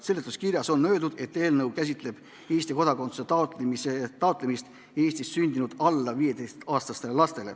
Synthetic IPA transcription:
se̞lːet̪ːˑuskirjɑso̞nnø̞ːd̪ud̪̥e̞t̪ːe̞ːlnɤwkæs̬ʲit̪ˑle̞b̥ | e̞ːsʲt̪iko̞d̪ɑko̞nt̪su̥set̪ɑt̪miset̪ːɑot̪ˑlemist̪ | e̞ːsʲt̪issynʲd̪inud̪̥ɑlːɑviːjed̪est̪ɑːst̪ɑst̪e̞lelɑst̪ele̞̰

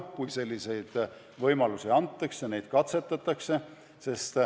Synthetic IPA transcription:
kujse̞lʲːise̞jd̪̥ | vɤjmɑlusiɑnt̪ːˑɑksjɑne̞jd̪̥kɑt̪se̞t̪ːˑɑt̪ːˑɑkse̞ | se̞st̪

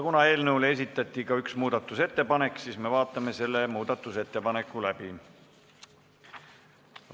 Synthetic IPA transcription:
kunɑe̞ːlnɤwle̞s̬it̪ːˑɑt̪ʲːˑikɑyksmuːd̪̥ɑt̪ːˑuse̞t̪ːe̞pɑne̞kːˑsiːsme̞vɑːt̪ːˑɑme̞se̞lːe̞muːd̪̥ɑt̪ːˑuse̞t̪ːe̞pɑne̞kːˑulæbi

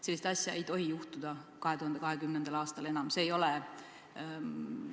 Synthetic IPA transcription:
se̞lːist̪ɑsʲjɑe̞jt̪o̞ɦijuht̪ud̪̥ɑkɑɦet̪uhɑnd̪ekɑɦe̞kymnend̪̥ɑlɑːst̪ɑle̞nɑmse̞ːjo̞lɛ

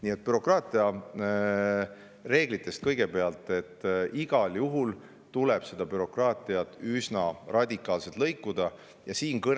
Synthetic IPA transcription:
niːe̞t̪̚pyɾo̞krɑːt̪ːˑiɑ | re̞ːɡ̥lit̪ːˑe̞st̪̚kɤjɡ̥e̞pe̞ɑlt̪ːˑe̞t̪ːiɡ̥ɑljuɦul | t̪uleb̥se̞d̪̥ɑpyɾo̞krɑːt̪ˑiɑt̪ːˑysnɑrʔɑd̪ʲikˑːɑːlse̞t̪lɤjkːˑud̪̥ɑ | jɑsiːnkɤ

